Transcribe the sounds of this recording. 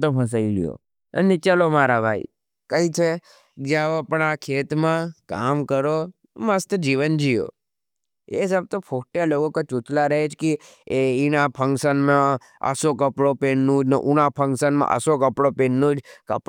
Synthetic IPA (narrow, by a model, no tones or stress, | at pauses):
t̪opʰəs̬ailijo̰ | ə̰nit͡ʃalomaɾabʱaḭ | kəit͡ʃʰe | d͡ʒaʋopəɳakʰet̪mãka̰mkəɾo | məst̪əd͡ʒiʋənd͡ʒijo̰ | esəb̚t̪opʰokʈjaloɡokot͡ʃut͡ʃlaɾəɦet͡ʃʰki | einapʰə̃ŋkʃənmã | ə̰sokəpɽopenːũd͡ʒnəʔuñapʰəŋkʃənmã̰ʔə̰sokəpɽopenːũd͡ʒkəp